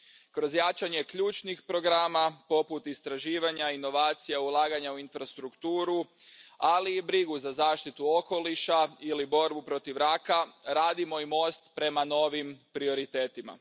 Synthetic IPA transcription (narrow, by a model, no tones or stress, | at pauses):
kɾo̞zjat͡ʃaɲe̞kʎuːt͡ʃnixpɾo̞ɡɾamapo̞put̪ist̪ɾaʒiːʋaɲaino̞ʋaːt̪sijaulˠaːɡaɲauinfɾast̪ɾukt̪uːɾu | aliːbɾiɡuzazaːʃt̪it̪uo̞ko̞liʃailibo̞ɾbupɾo̞t̪iʋɾakaɾaːd̪imo̞imo̞ːst̪pɾe̞mano̞ʋimpɾio̞ɾit̪e̞ːt̪ima̰